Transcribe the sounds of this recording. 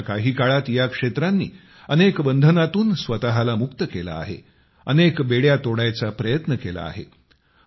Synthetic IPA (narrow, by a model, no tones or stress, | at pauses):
kaɦiːkaɭat̪jakʂet̪ɾanːḭː | ənekbənd̪ʱənat̪uːnsʋət̪aɦalamukt̪əkela̰ːɦḛ | ənekbeɽjat̪oɽajt͡sapɾəjət̪nəkela̰a̰ɦḛ